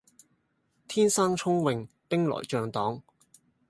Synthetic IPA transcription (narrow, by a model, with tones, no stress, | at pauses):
t̪ʰiː˥nsaː˥ŋt͡ʃʰʊ˥ŋwɪ˨˧ŋ | pɪ˥ŋlɔ̰ː˨jt͡ʃœː˨˧ŋt̪ɔː˨˥ŋ